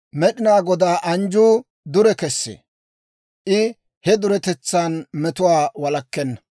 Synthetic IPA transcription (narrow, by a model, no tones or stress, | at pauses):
mɛɗɪnaːɡɔd̪aːʔɐnd͡ʒuː | d̪ʊɾɛkɛsːḛː | ʔɪ | hɛd̪ʊɾɛt̪ɛt͡sːaːnmɛt̪ʊwaːwɐlɐkːɛnːɐ̥